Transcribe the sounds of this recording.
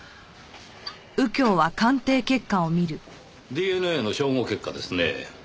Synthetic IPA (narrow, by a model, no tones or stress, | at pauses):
ɯ̟kʲo̞ːβakãnt̪e̞ːke̞kːao̞mʲiɾɯ̟ | d̪ʲieːnɯeno̞ɕo̞ːŋoːke̞kːad̪e̞sɨnḛ